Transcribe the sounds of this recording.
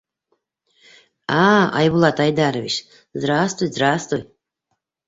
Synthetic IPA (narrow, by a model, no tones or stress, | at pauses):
aa̰jbulˠat̪ʰajd̪aɾviʃ | zrast̪vɨjzɾast̪vɨj